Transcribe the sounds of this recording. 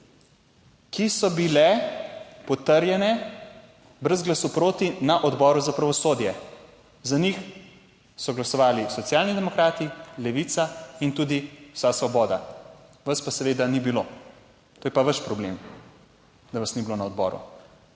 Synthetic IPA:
kisɔbilɛ | pɔt̪əɾjɛnɛ | bɾəzɡlasupɾoːt̪inaʔɔd̪bɔːɾuzapɾaʋɔsoːd̪jɛ | zanix | sɔɡlasɔʋaːlisɔt̪sjaːlnid̪ɛmɔkɾaːt̪ilɛʋit̪saint̪ud̪iwsasʋɔbɔːd̪a̰ | ʋɐspasɛʋeːd̪anibilo | t̪oːjɛpaʋəʃpɾɔblem | d̪aʋɐsnibiloːnaɔd̪bɔ̰ːɾṵ

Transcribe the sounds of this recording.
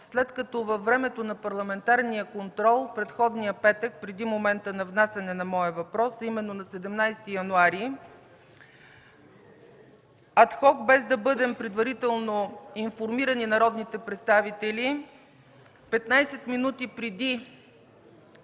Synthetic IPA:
slɛt̪kɐt̪ɔvɐfːɾɛmɛt̪onɐpɐɾlˠɐmɛnt̪aɾnijəkont̪ɾɔlˠpɾɛt̪xɔd̪nijəpɛt̪ək̚pɾɛd̪imomɛnt̪ənɐvnasʲɐnɛnɐmɔəvɐpɾɔsimɛnːonɐsɛd̪ɛmnajst̪ijɐnuaɾi | ɐt̪xɔkbɛzd̪ɐbɤd̪ɛmpɾɛd̪vɐɾit̪ɛlˠnoinfoɾmiɾəninɐɾɔd̪nit̪ɛpɾɛt̪st̪avit̪ɛli | pɛt̪najsɛt̪minut̪ipɾɛd̪i

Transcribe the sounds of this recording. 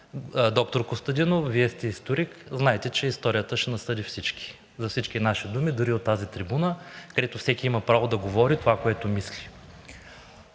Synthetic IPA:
d̪ɔk̚t̪oɾkost̪ɐd̪inofviɛst̪ɛist̪oɾikznaɛt̪ɛt͡ʃɛist̪ɔɾijət̪əʃɛnɐsɤd̪ifsit͡ʃki̥ | zɐfsit͡ʃkʲinaʃid̪umid̪uɾiot̪ːazit̪ɾibunəkd̪ɛt̪oʊfsɛkʲiimɐpɾavod̪ɐɡovɔɾit̪ovakoɛt̪omislʲi̥

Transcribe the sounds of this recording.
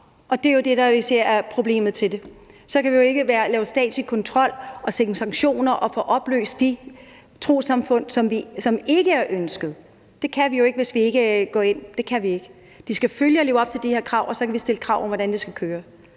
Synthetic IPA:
ʔɒ̽d̥e̝jo̝d̥e̝d̥ɑise̝ɐ̰æɐpʰʁo̝b̥le̝̰ːmð̞̩ˠt͡sʰe̝de̝ | sɒ̽kʰæʋijo̝e̝ɡ̥əʋæːɐlɛːʊsd̥ɛ̰ːd̥ˠsikʰɒ̽nt͡sʰʁɒ̽l̰ɒ̽seŋnsɑ̈ŋ̥ɕo̝̰ːnɐʔɒ̽fɔʔɒ̽b̥lø̰ːsd̥d̥i | t͡sʰʁo̝̰ːsɑ̈mfɔ̽n̰sɒ̽mʋisɒ̽me̝ɡ̥əæɐʔønsɡ̥əð̞̩ˠ | d̥e̝kʰæʋijo̝e̝ɡ̥əʋe̝sʋie̝ɡ̥əɡ̥ɒ̰ːe̝n̰d̥e̝kʰæʋie̝ɡ̥ə | d̥isɡ̥æføljəɒ̽le̝ːʊɒ̽b̥̚t͡sʰeld̥iheɐkʰʁɑ̈ʊ̰ʔɒ̽sɒ̽kʰæʋisd̥e̝ləkʰʁɑ̈ʊ̰ɒ̽mʋɒɾ̥ænd̥esɡ̥ækʰøːɐ

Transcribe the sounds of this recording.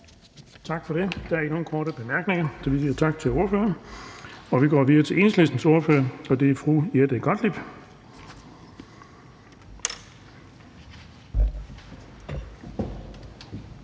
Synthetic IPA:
t͡sʰɑ̈ɡ̥fɒ̽ɾ̥e̝d̥ææɐi̥no̝ːn̩kʰɔːɾəb̥e̝mæɐɡ̥neŋɐsɒ̽ʋisiːɐt͡sʰɑ̈ɡ̥̚t͡sʰe̝lo̝ɐføːɐ | ɒ̽ʋiɡ̥ɒ̰ːʋiðɐt͡sʰe̝ʔe̝ːnsle̝sd̥n̩so̝ɐfø̰ːɐɒ̽d̥e̝æɐfʁuːjed̥əɡ̥ɒd̥lib̥

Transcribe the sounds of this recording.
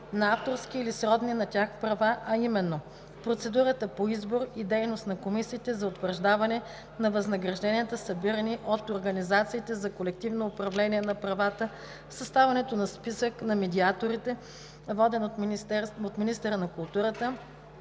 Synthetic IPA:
nɐaft̪oɾsk̟iːlisɾɔd̪ninɐtʲaxpɾɐvaʔɐimɛnːo | pɾot̪sɛd̪uɾət̪əpoizboɾid̪ɛjnost̪nɐkomisiːt̪ɛzɐot̪vəɾʒd̪avɐnɛ | nɐvɐznɐɡɾɐʒd̪ɛniɛt̪əsɐbiɾəniʔot̪oɾɡɐnizat̪siːt̪ɛzɐkolɛkt̪ivnoːpɾɐvlɛniɛnɐpɾɐvat̪ə | sɐst̪avɐnɛt̪onɐspisəknɐmɛd̪iat̪oɾit̪ɛ | vɔd̪ɛno | ot̪minist̪ɛɾənɐkʊlˠt̪uɾət̪ə

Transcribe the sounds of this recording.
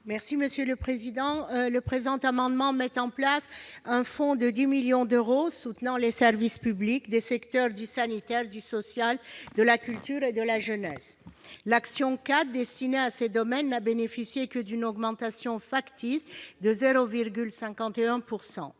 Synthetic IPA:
mɛʁsiməsjøləpχezid̪ɑ̃ləpχezɑ̃t̪amɑ̃d̪mɑ̃mɛt̪ɑ̃plasɛ̃fɔ̃d̪əd̪imiljɔ̃d̪øʁosut̪nɑ̃lesɛʁvispyblikd̪esɛkt̪œʁd̪ysanit̪ɛʁd̪ysɔsjald̪əlakʲylt̪yʁed̪əlaʒənɛslaksjɔ̃kat̪̚d̪ɛst̪ineased̪ɔmɛnːabenefisjekəd̪ynɔɡmɑ̃t̪asjɔ̃fakt̪isd̪əzeʁoviʁɡʲylsɛ̃kɑ̃t̪eɛ̃puʁsɑ̰̃

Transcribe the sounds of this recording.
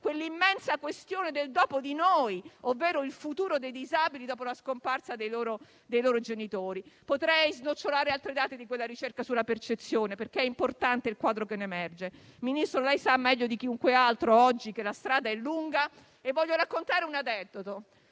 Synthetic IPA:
kwelːimːɛnsakwest̪joːned̪eld̪ɔːpod̪inoːjovːɛːɾoilfut̪uːɾod̪ejd̪izabilid̪ɔːpolaskomparsad̪ejloːɾo | d̪ejloːɾod͡ʒenit̪oːɾipot̪ɾɛjznot͡ʃːolaːɾealt̪ɾed̪aːt̪ed̪ikwelːaɾit͡ʃerkasulːapert͡ʃet̪sːjoːneperkeɛimport̪ant̪eilkwaːd̪ɾokenːemɛrd͡ʒeminist̪ɾolɛjsamːɛʎːod̪ik̟iuŋkwealt̪ɾoɔd͡ʒːikelːast̪ɾaːd̪aɛlːuŋɡa | evːɔʎːoɾakːont̪aːɾeunad̪ɛd̪ːot̪o

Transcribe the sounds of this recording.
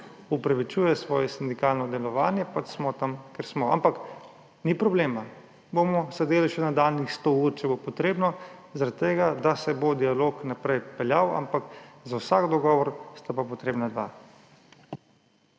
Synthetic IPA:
upɾaʋit͡ʃuːjɛsʋɔːjɛsind̪ikaːlnɔd̪ɛlɔʋaːnjɛpasmɔt̪amkɛɾsmɔa̰mpak | nipɾɔbleːma | bomɔsɛd̪eːliʃɛnad̪alnixst̪ouɾt͡ʃɛbopɔt̪ɾeːbnɔzaɾat̪̚t̪eːɡad̪asɛbod̪ialoknapɾɛjpɛljawa̰mpakzawsaɡd̪ɔɡɔːʋɔɾst̪apapɔt̪ɾeːbnad̪ʋa̰

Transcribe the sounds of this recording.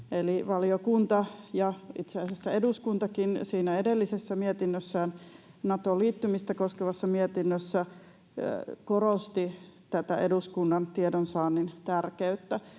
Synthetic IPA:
eliʋɑliokunt̪ɑjɑit̪seæˑsesːæeduskunt̪ɑkinsiːnæedelːisesːæmiet̪inːøsːæːn | nɑt̪oliːt̪ːymist̪ækoskeʋɑsːɑmiet̪inːøsːæ | korost̪it̪æt̪æeduskunːɑnt̪iedonsɑːnːint̪ærkeyt̪ːæ

